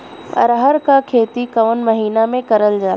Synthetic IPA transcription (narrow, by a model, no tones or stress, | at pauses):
ɐ̰ɾəɦəɾkakʰeːt̪ikɐʋənmɐɦiːnamẽkɐɾəld͡ʒaː